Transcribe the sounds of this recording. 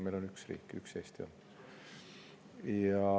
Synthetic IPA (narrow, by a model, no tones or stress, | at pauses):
mejlo̞nyksrḭːkːy̰kseːst̪ion | jɑ